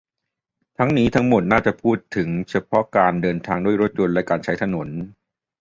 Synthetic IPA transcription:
t̪ʰa˦˥ŋniː˦˥t̪ʰa˦˥ŋmo˨˩t̪̚naː˥˩t͡ɕa˨˩pʰuː˥˩t̪ʰːɯ˩˦ŋt͡ɕʰa˧pʰɔ˦˥kaː˧ndɤː˧nt̪ʰaː˧ŋduː˥˩əjɾo˦˥t̪̚jo˧nlɛ˦˥kaː˧nt͡ɕʰa˦˥jt̪ʰa˧no˩˦n

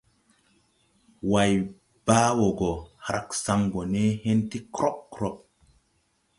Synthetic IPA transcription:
wa˨j | b̥aː˦wɔ˨ɡɔ˨ha˨ɾʔa˨ksa˦ŋɡɔ˨neː˦he˦nti˦kɾɔ˦p̚kɾɔ˦ɓ̚

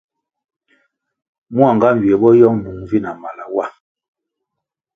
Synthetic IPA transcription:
mu˦a˨ŋɡa˦m̩˨ɥjɛ˨˦ɓɔ˦jɔ˦ŋnu˨˦ŋvi˦na˨ma˨la˨wa˦˨

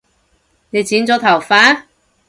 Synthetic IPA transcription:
ne˨˧jt͡siː˨˥nt͡sɔː˨˥t̪ʰɐ˨˩wfaː˨˥

